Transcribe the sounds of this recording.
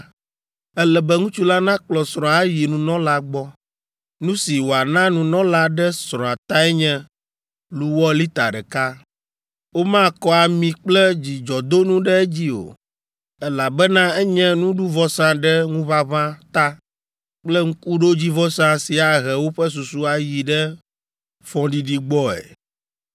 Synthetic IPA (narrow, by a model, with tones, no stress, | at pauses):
ɛ˦lɛ˨bɛ˦ŋũ˦t͡ʃu˦la˦nã˦k͡plɔ˨sɾɔ̃˨a˦ji˨nũ˨nɔ̃˦la˦ɡ͡bɔ˦ | nũ˦si˨wo˨a˨nã˦nũ˨nɔ̃˦la˦ɖɛ˦sɾɔ̃˨a˨t̪ã˦ɛ˦ɲɛ̃˦ | lu˦wɔ˦li˦t̪a˨ɖɛ˨ka˦ | wo˦mã˦˨kɔ˦a˨mĩ˨k͡plɛ˦d͡ʑi˨d͡ʒɔ˨d̪o˦nũ˦ɖɛ˦e˦d͡ʑi˦o̰˨ | ɛ˦la˨bɛ˦nã˦ɛ˦ɲɛ̃˦nũ˦ɖu˦vɔ˦sã˦ɖɛ˦ŋũ˦βa˦βã˦t̪a˦ | k͡plɛ˦ŋ̩˦ku˦ɖo˦d͡ʑi˦vɔ˦sã˦si˨a˨ɣɛ˨wo˦ɸɛ˦s̬u˨su˦a˨ji˨ɖɛ˦ | fɔ̃˨ɖi˦ɖi˦ɡ͡bɔ˦ɛ̰˨